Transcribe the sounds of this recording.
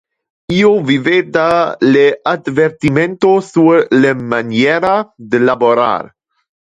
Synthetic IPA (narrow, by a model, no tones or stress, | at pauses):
iovived̪alead̪veɾt̪iment̪osulemanjɛɾad̪elaboɾa̰ɾ